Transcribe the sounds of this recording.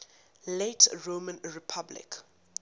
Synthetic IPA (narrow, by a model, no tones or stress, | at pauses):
letɹomə̃nɹipʰablɪ̰k